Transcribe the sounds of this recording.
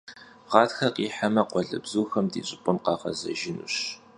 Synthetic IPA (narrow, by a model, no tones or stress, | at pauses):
ʁɑːtxɐqiːħamɐqʷɔɮɨ̰bzuːxɐmdiːɕʼɪpʷʼʊmqɑːqɐ̰zɐ̰ʒɪnṵːɕ